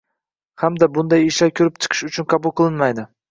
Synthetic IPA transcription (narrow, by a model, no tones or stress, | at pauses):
hamd̪abʊnd̪ajɪʃlaɾkʲʰʊɾɪp̚t͡ʃʰɨ̥qʰɨ̥ʃʊt͡ʃʰʊnqʰɑbʊlˠqʰɨlˠɪnmajd̪ɪ